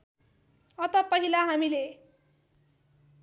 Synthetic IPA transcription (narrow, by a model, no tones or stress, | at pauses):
ʌt̪ʌpʌɦilaɦamile